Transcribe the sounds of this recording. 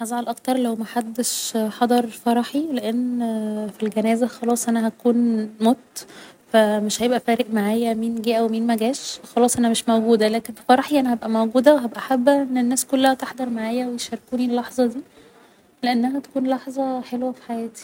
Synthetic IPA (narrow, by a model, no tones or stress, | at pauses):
ħɑzˤʕɑlʔɑkt̪ɑɾˤlæwmæħad̪ːeʃħɑd̪ˤɑɾˤfɑɾˤɑħileʔenːfilɡænæːzæxɑlɑːsˤʔænæɦæt̪ækuːnmot̪fæmeʃhæjebʔæfæːɾeʔmaʕaːjæmiːnɡiːʔæwemiːnmæɡæːʃxɑlɑːsˤʔænæmeʃmæwɡuːd̪ælæːkenfifɑɾˤɑħiʔænæhæbʔæmæwɡuːd̪æweɦæbʔæħæbːæʔenːenːæːskolːæhæt̪eħd̪ɑɾˤmaʕaːjæwejeʃæɾˤkuːnilːɑħzˤɑd̪iː | leʔenːæɦæt̪æ̥kuːnlɑħzˤɑħelwæfi̥ħajæːt̪i̥